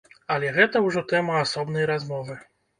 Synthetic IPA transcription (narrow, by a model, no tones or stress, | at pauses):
ɐlʲɛɣɛt̪ɐwʐɔt̪ɛmɐasɔbn̪ɐjɾazmɔvɨ